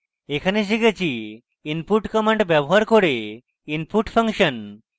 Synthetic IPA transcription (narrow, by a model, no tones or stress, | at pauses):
ekʰaneʃiket͡ɕʰi | inpuʈkɔmeɳɖbɛboɦaɾkoɾe | inpuʈpʰaŋʃən